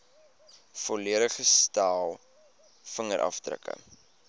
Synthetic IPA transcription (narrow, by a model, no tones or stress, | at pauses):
fɔliəɾəχəstɑːlˠ | fəŋəɾʔɐ̰fdrə̰kə̰